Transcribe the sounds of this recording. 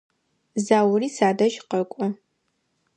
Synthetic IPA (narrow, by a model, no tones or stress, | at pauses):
zaːwriːsaːdɐʒqɐkʷʼɔ